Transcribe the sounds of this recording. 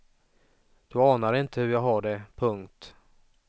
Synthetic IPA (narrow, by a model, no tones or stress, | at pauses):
d̪̥ɵɑːnaɾɪnt̪əhɵɾjaːɡɦaɖɛpʰɵŋkt̪